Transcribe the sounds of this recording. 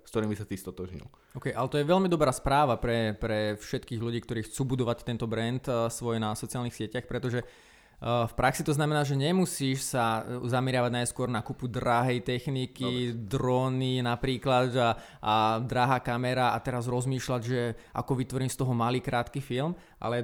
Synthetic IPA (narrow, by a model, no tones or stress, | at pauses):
skt̪ɔɾiːmbisat̪ist̪ɔt̪ɔʒɲḭl | ɔʊkɛjʔalɛt̪ɔjɛʋɛlmid̪ɔbɾaːspɾaːʋapɾɛpɾɛfʃɛt̪kiːɣluɟiːkt̪ɔɾiːxt͡suːbud̪ɔʋact̪ɛnt̪ɔbɾɛnt̪sʋɔjnasɔt͡sialnixsɪɛcaxpɾɛt̪ɔʒɛ | fpɾʔaksit̪ɔznamɛnaːʒɛɲɛmusiːʃsazamɛɾɪaʋaɟnajskʊɔɾnakupud̪ɾaɦɛjt̪ɛxnikid̪ɾɔːninapɾiːklada | ad̪ɾaɦaːkamɛɾaat̪ɛɾazɾɔzmiːʃlaɟʒɛʔa̰kɔʋit̪ʋɔɾiːmst̪ɔɦɔmaliːkɾaːt̪kifilm | ʔa̰lɛ